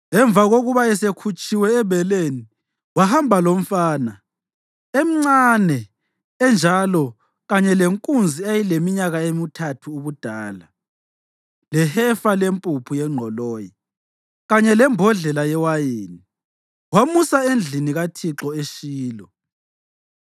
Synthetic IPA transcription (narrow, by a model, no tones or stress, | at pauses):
ɛɱb̪vʱaɣoɣuβaɛsekʰut͡ʃʼiwɛːβɛleni | wahambʱalom̩faːna | em̩ŋ͡ǀanɛ | ɛnd͡ʒʱalɔ | ɣaɲɛleŋkʼund͡zʱiajilemiɲaɣaemitʰatʰuːβud̥ʱaːla | lɛhɛfalempʼupʰujɛŋ͡ǁʱɔlɔːji | ɣaɲɛlɛmbʱɔɮɛlajɛwajeːni | wamusaend͡ɮʱiniɣatʰiǁɔeʃiːlɔ